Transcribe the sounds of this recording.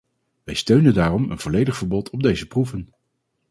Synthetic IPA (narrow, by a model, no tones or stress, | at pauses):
ʋɛjstøɥnəndaːrɔmə̰nv̥ɔlejdəχfəɹbɔtʰɔb̚dejzəpruvən